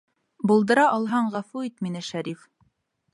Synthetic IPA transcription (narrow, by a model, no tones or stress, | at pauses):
bulˠd̪ɤ̆ɾɑʔɑlˠɦɑɴʁæfuit̪minɘʃæɾif